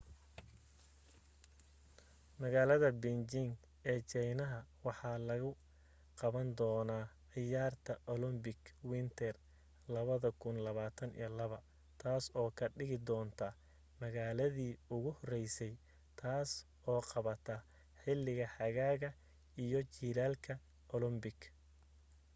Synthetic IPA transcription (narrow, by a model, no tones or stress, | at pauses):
mɐɣaːlɐðɐbɪnd͡ʒɪŋ | ɛːt͡ʃɛjnɐɦɐwɑħɑːlɐɣʊ | qɑβɐnd̪ɔːnaːʕɪjaːrt̪ʰɐʔɔlʊmbɪɡwɪnt̪ʰɛr | lɐβɐðɐkʰʊnlɐβaːt̪ʰɐnḭːlɐβɐ | t̪ʰaːsɔːkʰɐɖɪɣɪd̪ɔːnt̪ʰɐ | mɐɣaːlɐðiːʊɣʊhɔrɛjsɛj | t̪ʰaːs | ɔːqɑβɐt̪ʰɐ | ħɪlːɪɣɐħɑɣaːɣɐ | ijɔt͡ʃiːlaːlkʰɐ | ɔlɔmbɪɡ